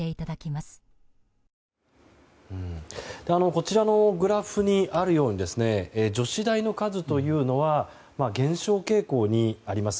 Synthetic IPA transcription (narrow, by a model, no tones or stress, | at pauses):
e̞it̪ad̪akʲimasɨ̥ | ɯ̟̃ɴd̪̥e̞ano̞ko̞t͡ɕiɾano̞ɡɯ̟ɾaɸɯ̟ɲ̟iʔaɾɯ̟jo̞ːɲ̟id̪e̞sɨne̞ed͡ʑo̞ɕid̪aino̞kazɨt̪o̞jɯ̟ːno̞βa | maɡẽ̞ɰ̃ɕo̞ːke̞ːko̞ːɲ̟iaɾʲimasɨ̥